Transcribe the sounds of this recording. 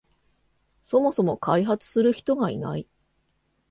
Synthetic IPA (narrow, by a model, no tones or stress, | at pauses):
so̞mo̞so̞mo̞kʰaiɦat͡sɨ̥sɨɾɯ̟çi̥t̪o̞ɡaḭna̰i